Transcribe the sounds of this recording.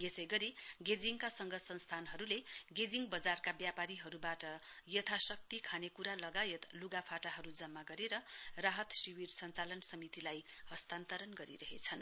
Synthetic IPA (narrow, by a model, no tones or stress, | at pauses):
jesʌjɡʌɾiɡed͡ziŋkasʌŋɡʌsʌnst̪ʰanɦʌɾuleɡed͡ziŋbʌd͡zarkabjapaɾiɦʌɾubaʈʌjʌt̪ʰasʌk̚t̪ikʰanekuɾalʌɡajet̪luɡapʰaʈaɦʌɾud͡zʌmːaɡʌɾeɾʌraɦʌt̪siwirsʌnt͡salʌnsʌmit̪ilajhʌst̪ant̪ʌɾʌnɡʌɾḭɾʌɦet͡sʰʌn